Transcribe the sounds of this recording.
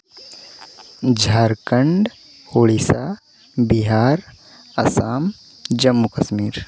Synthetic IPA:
d͡ʒʱaːɾkəɳɖ | hoːɭisaː | biɦaːɾ | ɐsaːm | d͡ʒɐmːukɐʃmiːɾ

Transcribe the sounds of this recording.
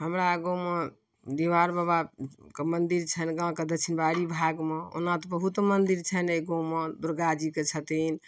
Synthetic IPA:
ɦəmɾaɡome | d̪iʋaɾbabakemənd̪iɾt͡ʃʰənɡãked̪ət͡ʃʰinbaɾibʱaɡmeo̰nãt̪ɔbəɦut̪mənd̪iɾt͡ʃʰəneɡõwməd̪uɾɡad͡ʒiket͡ʃʰət̪in

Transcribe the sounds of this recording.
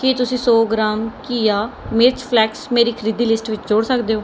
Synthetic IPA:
kit̪ʊsĩːsɔːɡɾaːmkiːaːmɪɾt͡ʃpʰlɛːksmeːɾiːkʰəɾid̪iːlɪsʈʋɪt͡ʃd͡ʒoːɽsəkd̪eːoː

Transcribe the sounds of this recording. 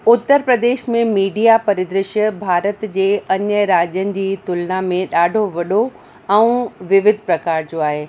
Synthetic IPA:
ʊt̪ːəɾpɾɐd̪eːʃmẽmiːɖijapɐɾɪd̪ɾɪʃəbʱaːɾət̪d͡ʑeːɐɲjəɾaːd͡ʑənɪ̆d͡ʑiːt̪ʊlnamẽɗaːɖʱoʋɐɗo | ɛ̃ũʋɪʋɪd̪ʱpɾɐkaːɾd͡ʑoaːɦeː

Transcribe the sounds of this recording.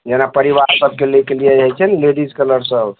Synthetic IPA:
d͡ʒenapəɾiʋaɾsəb̚kelikɖijad͡ʒajt͡ʃʰɛnleɖiskələɾsəb

